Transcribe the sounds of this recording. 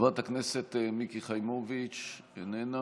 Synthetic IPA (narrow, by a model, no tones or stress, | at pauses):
vat̪hakneset̪mikiχajmovit͡ʃ | enena